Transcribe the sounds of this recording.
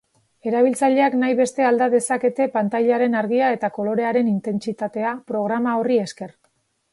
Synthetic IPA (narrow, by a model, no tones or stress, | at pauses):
e̞ɾaβ̞ilt͡saʎe̞aknajβe̞st̪e̞ald̪aðe̞sake̞t̪e̞pant̪ajʎaɾe̞naɾɣiae̞t̪ako̞lo̞ɾe̞aɾe̞nint̪e̞nt͡sit̪at̪e̞apɾo̞ɣ̞ɾamao̞rie̞ske̞r